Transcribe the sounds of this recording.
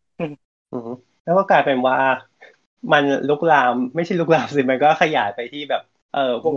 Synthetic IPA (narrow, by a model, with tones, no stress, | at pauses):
ʔɯː˧˩ | ʔɯː˧˩˦ | lɛ˦˥kɔː˥˩kaː˧jpe˧nwaː˧˥˩ | ma˧nlu˦˥k̚laː˧mːa˥˩jt͡ɕʰa˥˩jlu˦˥k̚laː˧msi˧˩ma˧nkɔː˥˩xʰa˧jaː˩˦jpa˧jt̪ʰiː˥˩bɛː˨˩p̚ | ʔɤː˨˩u˥˩